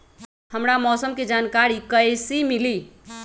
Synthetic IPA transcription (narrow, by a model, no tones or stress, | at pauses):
həmɾamɔsəmked͡ʒankaɾikəjsimili